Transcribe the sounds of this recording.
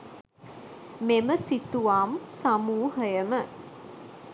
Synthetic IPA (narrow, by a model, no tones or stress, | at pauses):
meməsit̪uʋaːmsamuːɦəjəmə